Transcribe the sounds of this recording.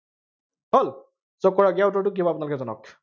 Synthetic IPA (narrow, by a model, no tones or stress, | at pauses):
ɦol | sɔkːɔɹaɡawtɔɹt̬ʊkibɔapʊnalʊkɛzɔnɔ̰k